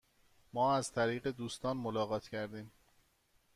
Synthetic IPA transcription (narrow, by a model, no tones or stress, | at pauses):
mɒːæz̥t̪ʰæɾiːɣe̞d̪uːst̪ɒːnmolɒːɣɒːt̪ʰcʰæɾd̪iːm